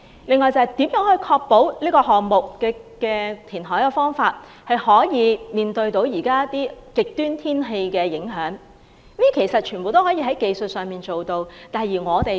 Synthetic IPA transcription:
lɪ˨˧ŋːɔː˨˧jt͡sɐ˨˧ɐ˨˩jt̪iː˨˥mjœː˨˥ŋhɵ˧jkʰɔː˧k̚po˨˥wniː˥kɔː˧ɦɔː˨ŋmʊ˨kkɛː˧kɛː˧t̪ʰiː˨˩nɦɔː˨˥jkɛ˧fɔː˥ŋfaː˧t̚ | hɐ˨jhɔː˨˥jiː˨˧miː˨nt̪ɵ˧ɥt̪o˨˧˥wjiː˨˩kaː˥t̪iː˥kɪ˨k̚t̪yː˥nt̪ʰiː˥nɦe˧jkɛː˧jɪ˨˥ŋɦœː˨˥ŋ˥ | ji˥kʰe˨˩jsɐ˨t̚t͡ʃʰyː˨˩nbo˨wt̪o˥whɔː˨˥jiː˧ɦɐ˨˥jke˨˧jsɵ˨t̚sœː˨ŋmiː˨˩nt͡so˨wt̪o˧wt̪aː˨jiː˨˩ŋɔː˨˧t̪e˨j

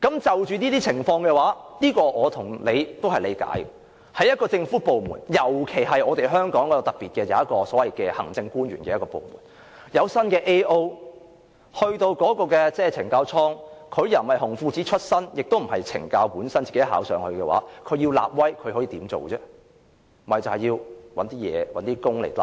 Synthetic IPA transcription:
kɐ˨˥mt͡sɐ˨wt͡ʃyː˨niː˥t̪iː˥t͡sʰɪ˨˩ŋfɔː˧ŋkɛː˧waː˨˥niː˥kɔː˧ʔɔː˨˧t̪ʰʊ˨˩ŋle˨˧jt̪o˥whɐ˨jle˨˧jka̰ː˨˥jɛ | hɐ˨jɐ˥t̚kɔː˧t͡sɪ˧ŋfuː˨˥po˨wmṵː˨˩njɐ˨˩wkʰe˨˩jɦɐ˨jɔː˨˧t̪e˨jɦœː˥ŋkɔː˨˥ŋkɔ˨˧˥jɐ˧wt̪ɐ˨k̚piː˨t̚kɛː˧jɐ̰˨˧˦jɐ˥t̚kɔː˧sɔː˨˥wɐ˨jkɛː˧hɐ̰˨˩ŋt͡sɪ˧ŋkuː˥nɥy̰ː˨˩nkɛː˧jɐ˥kɔː˧po̰˨wmṵː˨˩n | jɐ˨˧wsɐ˥nkɛː˧ʔe˥jʔo˥w | hɵ˧ɥt̪o˧wkɔː˨˥kɔː˧kɛ˧t͡sɛː˥t͡sʰɪ˨˩ŋkaː˧wt͡sʰɔː˥ŋkʰɵ˨˧ɥjɐ˨˩hɐ˨jhʊ˨˩ŋfuː˧t͡siː˨˥t͡ʃʰɵ˥t̚sɐ˥njɪ˨k̚t̪o˥wm̩˨˩ɦɐ˨jt͡sʰɪ̰˨˩ŋkaː˧wpuː˨˥nsɐ˥nt͡siː˨˩e˧˥jɦa̰ː˨˥wsœː˨˧ŋhɵ˧kɛ˧wa̰ː˨˥kʰɵ˨˧ɥji˧wla̰ː˨p̚wɐ˥jkʰhɔː˨˥jiː˨˧t̪iː˨˥mt͡so̰˨wt͡sɛː˧˥ | mm̩˨˩˨ɐ˨˩jt͡sɐ˨whɐ˨˩jiː˧wwɐ˨˥nt̪iː˥jɛ̰ː˨˧wɐ˨˥nt̪iː˥kʊ˥ŋlḛ˨˩t̪a̰˨˩

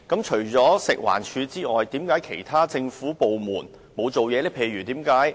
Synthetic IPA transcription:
kɐ˨˥mt͡ʃʰɵ˨˩ɥt͡sɔː˨˥sɪ˨k̚wa̰ː˨˩nt͡ʃʰyː˨˧t͡siː˥ŋɔː˨jt̪iː˨˥mkaː˨˥jkʰe˨˩jt̪ʰaː˥t͡sɪ˧ŋfuː˨˥po˨wmuː˨˩n | mo˨˧wt͡so˨wjɛː˨˧lɛː˥pʰe˨˧jɥyː˨˩t̪iː˨˥mkaː˨˥j

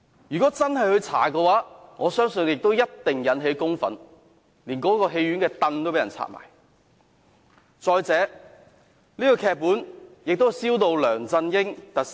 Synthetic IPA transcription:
jyː˨˩kɔː˨˥t͡sɐ˥nhɐ˨jhɵ˧ɥt͡sʰa̰ː˨˩kɛː˧waː˨˥ŋɔː˨˧sœː˥ŋsɵ˧njɪ˨k̚t̪o˥wjɐ˥t̚t̪ɪ˨ŋjɐ˨˥nɦe˨˥jkʊ˥ŋfɐ̰˨˥n | liː˨˩nkɔː˨˥kɔː˧ɦe˧jɥy˨˥nkɛː˧t̪ɐ˧nt̪o˥wpe˨˥jɐ˨˩nt͡sʰa̰ː˧˥t̚ma̰ː˨˩j | t͡sɔː˧jt͡sɛː˨˥ | liː˥kɔ˧kʰɛː˧k̚pːuː˨˥njɪ˨k̚t̪o˥˨siː˥wt̪o˧wlœː˨˩ŋt͡sɐ˧njɪ˥ŋt̪ɐ˨

